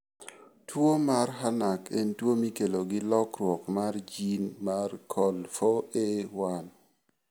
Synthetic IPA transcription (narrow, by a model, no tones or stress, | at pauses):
twomarɦanakentwomikeloɡɪlɔkrwɔkmard͡ʒinmarkʰɔlfoewan